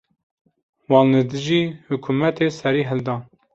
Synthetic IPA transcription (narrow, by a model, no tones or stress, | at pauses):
wɑːnlɨd̪ɨʒiːhʊkʰumɛt̪ʰeːsɛɾiːɦɨld̪ɑːn